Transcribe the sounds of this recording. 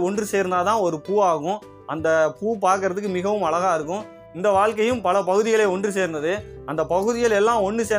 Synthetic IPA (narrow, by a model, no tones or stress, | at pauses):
ɔɳdrɯseːɾɯnd̪aːt̪ãːɔɾɯpuːaːɣʊ̃ | ʔɐnd̪ɐpuːp̬aːɾkɯɾɐðɯkːɯmɪɣɐʋɯmɐɭɐɣaːɪɾɯkːʊ̃ | ɪnd̪ɐʋaːɭkɐjɯ̃mpɐlɐpɐɣɯðɪɣɐɭeːɔɳdrɯseːɾnd̪ɐðɯɐnd̪ɐpɐɣɯðɪjɐlɛlːãːɔnːɯseː